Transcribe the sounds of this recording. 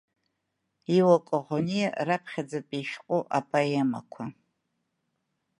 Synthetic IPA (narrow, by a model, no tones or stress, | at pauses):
iwakʷʼoʁʷonijarapʰχʲad͡zapʼiʃqʷʼuʔapʼaema̰kʷʰa